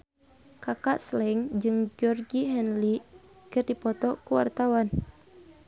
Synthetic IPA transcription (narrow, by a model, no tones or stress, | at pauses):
kakaʔslɛŋd͡ʒɨŋd͡ʒɔrɡiɦɛnli | kɨrdipɔt̪ɔkuwa̰rt̪awan